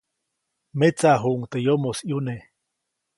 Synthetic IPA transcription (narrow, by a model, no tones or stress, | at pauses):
met͡saɦuʔŋt̪ejomosjune